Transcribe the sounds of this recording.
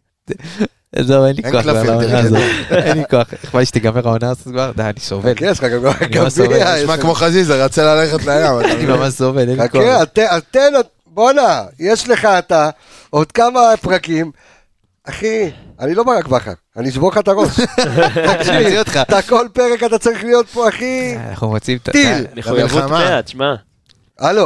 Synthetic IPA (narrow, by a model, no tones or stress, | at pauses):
zovenlioaklaaonazoenlikoaχeχmaliʃt̪iɡameʁaonaːzotɡvaʁd̪aanisovelkeeʃχaɡamɡaaniamabivamakmoχazizaʁat͡selaleχet̪leajamaanimamaʃzovelenakeat̪eat̪ena | bo̞najeʃle̞χaːt̪a | o̞d̪kamapʁakim | aχianilo̞baʁakbaχa̰ʁaniiʃboχat̪aʁoʃ | akiot̪χaat̪ako̞lpe̞ʁe̞kat̪at͡saʁiχlijo̞t̪̚poaχḭna̰χumʁat͡simt̪at̪ilmeujuamatma | alo